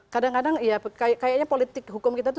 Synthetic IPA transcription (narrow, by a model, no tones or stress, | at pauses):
kadaŋkadaŋijakajaʔkajak̚ɲapolit̪ɪkɦukʊmkit̪at̪